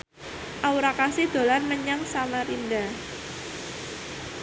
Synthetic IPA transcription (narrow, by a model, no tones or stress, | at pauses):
ʔauɾakasid̪̥o̤lanməɲaŋsamaɾinda